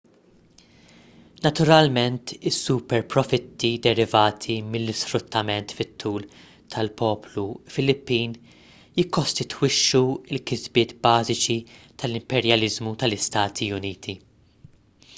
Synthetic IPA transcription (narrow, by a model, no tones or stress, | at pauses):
nɐt̪ʊɾɐlmɛnt̪ɪsːupɛɾpɾɔfɪt̪ʰːid̪ɛɾɪvɐːt̪ʰimɪlːɪsfɾʊt̪ʰːɐmɛnt̪fɪt̪ʰːuːl | t̪ʰɐlpʰɔːplufɪlɪpːiːn | jɪkːɔst̪ɪt̪wɪʃːuɪlkɪzbɪːt̪bɐːzɪt͡ʃit̪ʰɐlɪmpɛɾjɐlɪzmut̪ɐlɪst̪ɐːt̪ʰiʊniːt̪ʰi